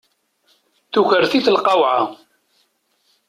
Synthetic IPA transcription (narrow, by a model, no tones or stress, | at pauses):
θuçəɾθiθəlqɑwʕa